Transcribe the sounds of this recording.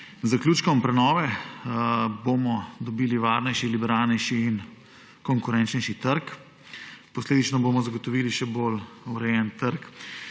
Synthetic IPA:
zaklʲuːt͡ʃkɔmpɾɛnɔːʋɛ | bomɔd̪ɔbiːliʋaɾnɛjʃilibɛɾaːlnɛjʃiːn | kɔŋkuɾɛnt͡ʃnɛjʃit̪əɾk | pɔsleːd̪it͡ʃnɔboːmɔzaɡɔt̪ɔʋiːliʃɛboluɾɛjɛnt̪əɾk

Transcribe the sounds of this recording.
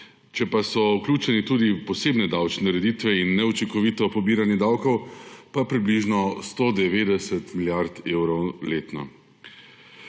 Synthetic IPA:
t͡ʃɛpasɔuklʲuːt͡ʃɛnit̪uːd̪ipɔseːbnɛd̪awt͡ʃnɛɾɛd̪it̪ʋɛinːɛɔt͡ʃiŋkɔʋit̪ɔpɔbiːɾanjɛd̪awkɔwpapɾibliʒnɔst̪oːd̪ɛʋeːd̪ɛsɛt̪miljaɾt̪ewɾɔleːt̪nɔ̰

